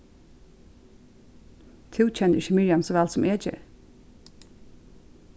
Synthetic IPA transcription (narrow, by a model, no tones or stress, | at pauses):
t̪ʰɪlc͡çɛnɪçəmɪɹjɑmsoːʋælsɔm̩ʔeːd͡ʒə̰